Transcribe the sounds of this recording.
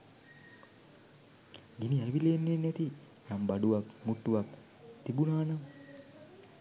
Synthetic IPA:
ɡiniæʋileːnːeːnːɛt̪i | jambaɖuʋakmuʈːuʋak | t̪ibunaːnam

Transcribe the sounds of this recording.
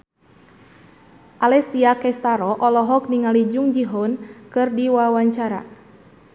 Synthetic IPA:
ʔalɛsiakɛst̪aɾɔʔɔlɔɦɔk̚niŋalid͡ʒuŋd͡ʒiɦɔnkɨrdiwawaɲt͡ʃaɾa̰

